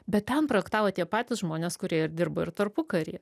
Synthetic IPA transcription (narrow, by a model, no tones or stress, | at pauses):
bʲɛt̪ʲtʲɛnpɾoːɛkt̪ɑːʋoːt̪ʲiɛpɑːt̪ʲɪsʒmoːnʲeːskʊɾʲiɛɪɾd̪ʲɪɾbɐɪɾt̪ɐɾpʊkɐɾʲḭɛ